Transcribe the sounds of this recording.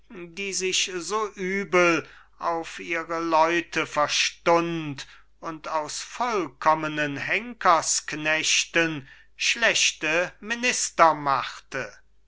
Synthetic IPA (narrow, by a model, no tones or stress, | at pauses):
diːzɪʃzoːʔyːbəl | ʔaʊfʔiːʁəlɔʏtʰəfɛɐʃtʊnt | ʊntaʊsfɔlkʰɔmənənɦɛŋkʰɐsknɛɕtən | ʃlɛʃtəmɪnɪstɐmaχtə